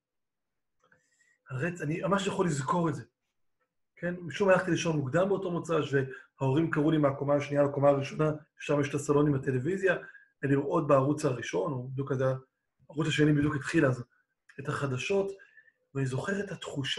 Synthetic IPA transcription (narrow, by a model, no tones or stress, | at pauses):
haʁet͡sanimamaʃjaχo̞lizko̞ʁetze̞ | kʰe̞nmiʃumalaχt̪iliʃo̞nmuɡd̪ambeoto̞mot͡saʃvehao̞ʁimkaʁulimeakomaaʃnialako̞maaʁiʃo̞nae̥ʃaʁmjeʃtasalo̞nimate̞le̞vizja | eliʁʔo̞t̚beaʁut͡shaʁiʃo̞nobid̪jukazaː | ʁut͡saʃe̞nibid̪juket̪χilaz | ethaχadaʃo̞t | veanizo̞χe̞ʁetatχuʃ